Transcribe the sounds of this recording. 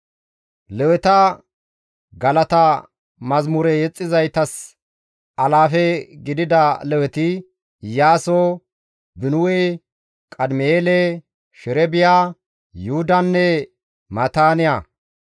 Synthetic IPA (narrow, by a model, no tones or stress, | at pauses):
lɛwɛt̪ɐ | ɡɐlɐt̪ɐ | mɐzmʊɾɛjɛt͡sʼːɪzɐjt̪ɐs | ɐlaːfɛɡɪd̪ɪd̪ɐlɛwɛt̪ɪ | jaːso | bɪnʊwɛ | kʼɐd̪mɛeːlɛ | ʃɪɾɛbɪjaː | jʊʊd̪ɐnːɛ | mɐt̪aːnɪja